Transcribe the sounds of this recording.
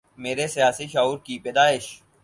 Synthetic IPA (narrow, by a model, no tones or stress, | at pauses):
meːɾesijaːsiʃaːuːɾkipeːd̪aːɪʃ